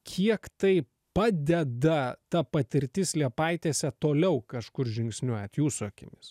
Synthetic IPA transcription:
kʲʰiɛkt̪ɐɪ | pɑːd̪ʲɛd̪ɐt̪ɐpɐt̪ʲɪɾʲt̪ʲɪslʲiɛpɐɪt̪ʲeːsʲɛt̪oːlʲɛʊkɐʃkʊɾʒʲɪŋksʲnʲuɔjɛt̪juːsuɔkʲɪnʲɪs

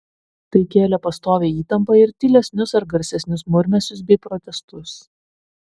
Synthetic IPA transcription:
t̪ɐɪkʲeːlʲɛpɐst̪oːʋʲeːiːt̪ɐmpɐɪɾt̪ʲɪlʲɛsʲnʲʊsɐɾɡɐɾʲsʲɛsʲnʲʊsmʊɾʲmʲɛsʲʊs̬bʲɛɪpɾɔt̪ʲɛst̪ʊs

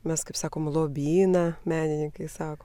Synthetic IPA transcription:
mʲɛskɐɪpsɑːkoːmlˠoːbʲiːnɐmʲæːnʲɪnʲɪŋkɐɪsɑːkoː

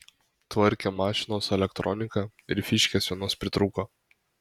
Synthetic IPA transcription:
t̪ʋɐɾʲkʲemɑːʃʲɪnoːsɛlʲɛkt̪ɾɔnʲɪkɑ | ɪɾfʲɪʃʲkʲeːsʋʲiɛnoːspʲɾʲɪt̪ɾuːkoː

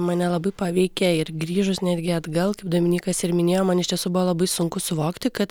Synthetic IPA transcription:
mɐnʲɛlˠɐbɐɪpɑʋʲɛɪkʲɛɪɾɡɾʲiːʒʊsnʲæːd̪ʲɡʲɪɐd̪ɡɐlˠkɐɪp̚d̪oːmʲɪnʲiːkɐsɪɾmʲɪnʲeːjoːmɐnɪʃt̪ʲiɛsuːbʊʋoːlˠɐbɐɪsʊŋkʊsʊʋoːkt̪ʲɪkɐt̪

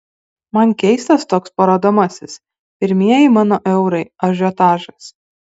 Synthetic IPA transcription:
mɐnʲkʲɛɪst̪ɐst̪oːkspɐɾoːd̪omɐsʲɪs | pʲɪɾʲmʲiɛjɪmɑːnoːʔɛʊɾɐɪɐʒʲoːt̪ɑːʒɐs

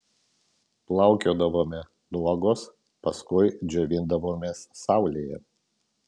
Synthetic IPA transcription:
plˠɐˑʊkʲoːd̪ɐʋoːmʲɛ | d̪uɔɡoːs | pɐskʊɪd͡ʒʲɛʋʲɪnd̪ɐʋoːmʲeːssɑˑʊlʲeːjɛ̰

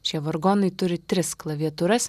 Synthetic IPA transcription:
ʃʲiɛʋɔɾɡoːnɐɪt̪ʊɾʲɪt̪ʲɾʲɪsklˠɐʋʲiɛt̪ʊɾɐs

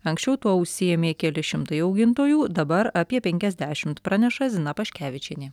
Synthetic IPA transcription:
ɐŋʲksʲt͡ʃʲɛʊt̪uɔʊʃʲsʲɪjɛmʲeːkʲɛlʲɪʃʲɪmt̪ɐɪɐʊɡʲɪnt̪oːjuːd̪ɐbɐɾɑpʲiɛpʲɛŋʲkʲɛzʲd̪ʲæːʃʲɪmt̪pɾɑːnʲɛʃɐzʲɪnɐpɐʃʲkʲæːʋʲɪt͡ʃʲɛnʲiː

